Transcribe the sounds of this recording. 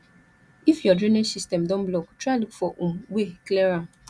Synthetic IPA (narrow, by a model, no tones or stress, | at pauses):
ifjɔdɾenesistɛmdɔ̃mblɔktɾalikfɔʔumwekleɾam